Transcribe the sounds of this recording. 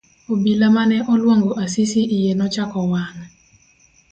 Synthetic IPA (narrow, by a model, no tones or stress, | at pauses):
obilamanɛʔɔlwaŋɡoʔasisiʔijenɔt͡ʃakɔwaŋ